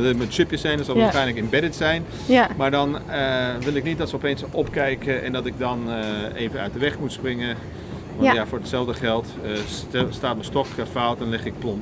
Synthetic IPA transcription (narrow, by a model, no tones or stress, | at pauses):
məʃøpjəsɛjnəsɔlˠʋaxɛjnləkɪnbɛdətsɛjn | maɹdɔnəʋɪlˠɪknit̚dɔtsəɔpeːnsɔpkɛjkəʔɛ̰ndɔtɪɡ̚dɔneːvənœ̰ɥt̚dəʋɛxmutsprɪŋə | ʋɔntjafʊːɹdətsɛlˠfdəχɛlˠt | əstaːt̚məstɔkəfawtdɔnlɪxɪk̚plɔn